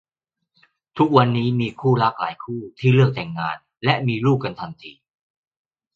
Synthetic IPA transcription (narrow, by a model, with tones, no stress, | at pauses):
t̪ʰu˦˥k̚wa˧nːiː˦˥miː˧kʰuː˥˩la˦˥k̚la̰ː˩˦jkʰuː˥˩t̪ʰiː˥˩lɯ˥˩ək̚t̪ɛ˨˩ŋːaː˧n | lɛ˦˥ʔmiː˧luː˥˩k̚ːa˧nt̪ʰa˧nt̪ʰiː˧